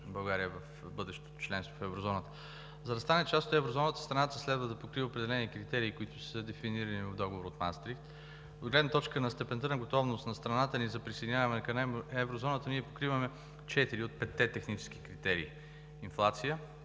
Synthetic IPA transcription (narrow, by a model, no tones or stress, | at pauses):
bɐlˠɡaɾijəvɐf | bɤd̪ɛʃt̪o̥t̪o̥t͡ʃlɛnst̪vofɛvɾozɔnət̪ə̥ | zɐd̪ɐst̪anɛt͡ʃast̪ot̪ɛvɾozɔnət̪ə̥st̪ɾɐnat̪əslɛd̪vəd̪ɐpokɾivəʊpɾɛd̪ɛlɛnikɾit̪ɛɾiːkʊit̪ʊ̥səd̪ɛfiniɾɐnivɐvd̪ɔɡovoɾot̪ma̰nst̪ɾift̪ | od̪ɡlɛd̪nət̪ɔt͡ʃkənɐst̪ɛpɛnt̪ənəɡot̪ɔvnʊst̪nɐst̪ɾɐnat̪ənizɐpɾised̪injavɐmɛnkɐnɛmɛvɾozɔnət̪əniɛpokɾivəmɛ | t͡ʃɛt̪iɾiot̪̚pɛt̪ːɛt̪ɛxnit͡ʃɛ̥sk̟i̥kɾit̪ɛɾḭː | inflˠat̪sijə